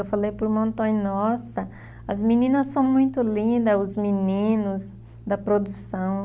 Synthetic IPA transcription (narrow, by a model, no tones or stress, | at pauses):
ewfalejpʊɾmõnt̪õj̃nɔsɐ | ɐzmĩnĩnɐsːɐ̃w̃mũj̃t̪ʊlĩnd̪ɐʊzminĩnʊz | d̪ɐpɾod̪usɐ̃w̃